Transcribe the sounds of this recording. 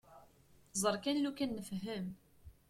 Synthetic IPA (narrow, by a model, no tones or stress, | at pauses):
zˤəɾˤkænlukænːəfɦəm